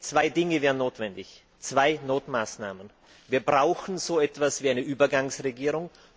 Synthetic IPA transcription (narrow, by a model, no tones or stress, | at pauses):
t͡sv̥aɪdɪŋəvɛːɐʁənːoːtv̥ɛndɪç | t͡sv̥aɪnoːtmaːsnaːmən | viːɐbʁaʊxn̩zoːɛtv̥asv̥iːaɪnəʔyːbɐɡaŋsʁeɡiːʁʊŋ